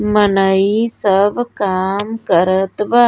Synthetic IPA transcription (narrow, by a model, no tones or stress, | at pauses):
mənəisəbʱkaːmkəɾət̪ʋa